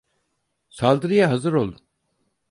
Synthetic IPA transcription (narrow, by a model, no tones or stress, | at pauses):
salˠd̪ɯɾijaɦazɯɾolˠd̪u